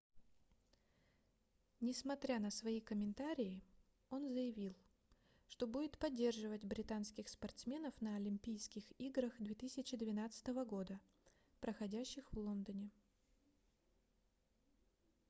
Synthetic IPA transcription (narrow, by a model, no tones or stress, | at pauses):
nʲɪsmɐt̪ɾʲanəsvɐikəmʲɪnt̪aɾʲɪɪ | o̞nzəjɪvʲilˠ | ʂt̪o̞budʲɪt̪pɐdʲːe̞rʐɨvətʲbɾʲɪt̪anskʲɪxspɐrt̪smʲe̞nəfnəɐlʲɪmʲpʲijskʲɪxiɡɾəxd̪vʲet̪ɨsʲɪt͡ɕɪd̪vʲɪnat̪sɨ̥t̪əvəɡo̞d̪ə | pɾəxɐdʲæɕːɪxvlˠo̞nd̪ənʲɪ